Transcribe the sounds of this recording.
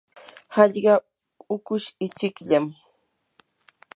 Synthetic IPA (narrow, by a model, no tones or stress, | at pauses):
hɑʎɢɑ | ʊkʊʃɪt͡ʃɪkʎam